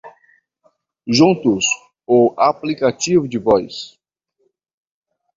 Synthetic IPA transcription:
ʒũnt̪ʊs | ʊaplikat͡ʃivʊd͡ʒɪvɔjs

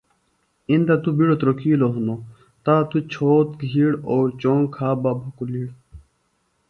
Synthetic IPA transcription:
ind̪at̪ubiɽot̪ɾokʰiːloɦuno | t̪aːt̪ut͡ɕʰoːt̪̚ɡʱiɽoːɾt͡ɕoːŋkʰaːbabʱɐkuliːɽ

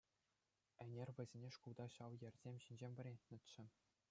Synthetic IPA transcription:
ɘ̆nʲerʲʋʲɘ̆zʲenʲeʂkulˠd̪ɑɕɑʋjɘ̆rʲzʲemʲɕinʲd͡ʑemʲʋʲɘ̆rʲenʲɘ̆t̪ʲt͡ɕːɘ̆

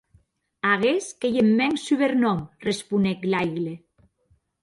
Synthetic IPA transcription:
aɣeskejemːɛŋsyβeɾnɔmrespuneklajɣle

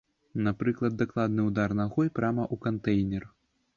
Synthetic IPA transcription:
napɾɨklˠɐd̪̚ːaklˠad̪nɨwd̪arnaɣɔjpɾʲamɐʔukant̪ɛjnʲɛr

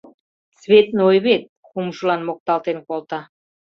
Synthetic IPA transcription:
sβet̪nojβet̪̚ | xumʒəlɑnmok̚t̪ɑlt̪enkolt̪ɑ

